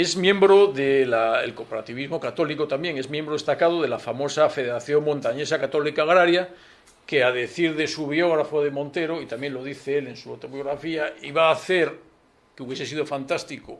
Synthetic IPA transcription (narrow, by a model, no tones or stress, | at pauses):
ezmjẽ̞mbɾoðelaḛlkopoɾat̪iβizmo̞kat̪o̞likot̪ambjeŋe̞zmjembɾoest̪akað̞oðe̞lafamo̞safe̞ð̞eɾaθjo̞ŋmõnt̪aɲe̞sakat̪o̞likaːɣɾaɾja | keaðeθiɾðesuβjo̞ɣ̞ɾafoðemont̪e̞ɾoit̪amje̞ŋlo̞ðiθeele̞nsuot̪o̞βjo̞ɣɾafiaiβaːθe̞ɾ | keuβje̞ses̬iðo̞fant̪ast̪iko